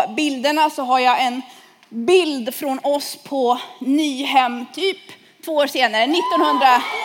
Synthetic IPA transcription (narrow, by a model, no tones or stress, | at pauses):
bɪld̪əɳasɔɦaɾjaɛn | bɪld̪fɾɔnɔspʰɔnyːɦɛmːt̪ʰyːp | t̪ʰv̥oːoːɾʂeːnaɾənɪt̪ːɔnhɵnd̪ɾa